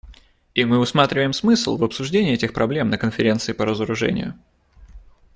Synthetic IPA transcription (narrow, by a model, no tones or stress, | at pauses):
imɨʊsmat̪ɾʲɪvəjɪmsmɨsʲl̩ˠvɐpsʊʐdʲenʲɪːɛtʲɪxpɾʔɐblʲe̞mnəkənfʲɪɾʲe̞nt̪sɨɪːpəɾəzəɾʊʐɛ̰nʲɪ̰jʊ̰